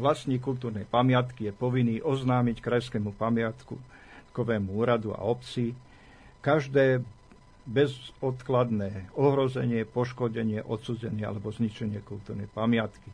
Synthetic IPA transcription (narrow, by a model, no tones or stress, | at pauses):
ʋlasɲiːkult̪uːɾnɛjpamɪat̪kijɛpɔʋiniːʔɔznaːmickɾajskɛːmupamɪat̪ku | kɔʋɛːmuuːɾad̪ua̰ɔpt͡si | kaʒd̪ɛː | bɛzɔt̪klad̪nɛːɔɦɾɔzɛɲɪɛpɔʃkɔɟɛɲɪɛʔɔt̪suːzɛɲɪɛa̰lɛbɔzɲit͡ʃɛɲɪɛkult̪uːɾnɛjpamɪat̪ki